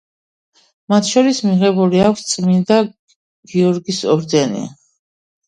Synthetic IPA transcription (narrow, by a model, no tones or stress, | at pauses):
mat̪ʰʃɔɾismiʁɛbuliakʷʰst̪sʼmind̪a | ɡ̥iɔɾɡisɔɾd̪ɛnḭ